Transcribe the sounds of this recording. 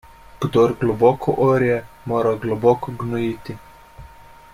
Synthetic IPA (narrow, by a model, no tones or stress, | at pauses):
ɡ̥d̪oɾɡlɔbɔːkʰɔʔoɾijɛ | moːɾaɡlɔbɔːkɔɡnɔjiːt̪i